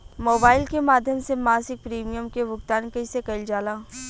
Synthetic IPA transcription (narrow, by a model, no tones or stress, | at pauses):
moːbaːɪlkemaːd̪ʱjəmsemaːsɪk̚pɾiːmijəmkeʋʊɡt̪aːnkɐisekɐɪld͡ʒaːlãː